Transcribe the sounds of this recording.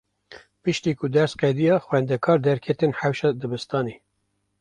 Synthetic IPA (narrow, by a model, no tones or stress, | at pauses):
pɨʃt̪iːkʊd̪ɛɾsqɛd̪ijɑːxwɛnd̪ɛkʰɑːɾd̪ɛɾkʰɛt̪enħawʃɑːd̪ɨbɨst̪ɑːne